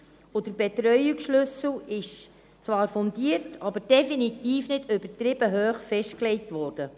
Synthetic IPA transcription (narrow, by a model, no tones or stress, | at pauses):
ʊd̥əbɛt̪ɾœʏiksʃlʏsl̩ɪʃ | t͡sʋɑːɾfɔndiəɾtʰɑbəɾd̥ɛfinitiːfnɪdʏbətɾɪb̥əɦøːχfɛʃtklɛɪtʋɔːɾd̥ə